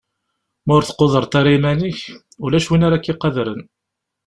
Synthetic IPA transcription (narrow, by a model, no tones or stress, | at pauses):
mæʊɾθə̥qːoðˤəɾˤt̪ɑɾimæniç | ulæʃwinaɾakːiqːɑðɾən